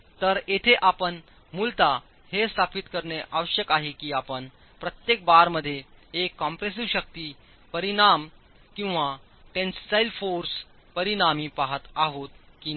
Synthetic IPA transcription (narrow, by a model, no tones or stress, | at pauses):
t̪əɾet̪ʰeʔapəɳ | mult̪a | hest̪ʰapit̪kəɾɳeʔaʋəɕjəkaɦekiːapəɳ | pɾət̪jek̚baɾməd̪ʱːjeekːɔmpɾes̬iʋɕək̚t̪iː | pəɾinam | kĩw̃ʋa | ʈẽnssajlfoɾs | pəɾinamiːpaɦət̪aɦot̪ | kiː